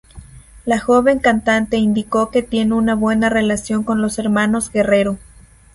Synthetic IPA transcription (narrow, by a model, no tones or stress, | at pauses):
laxoβe̞ŋkant̪ant̪e̞ind̪iko̞ke̞t̪je̞neunaβwe̞nare̞lasjo̞ŋko̞nlose̞ɾmano̞zɡe̞reɾo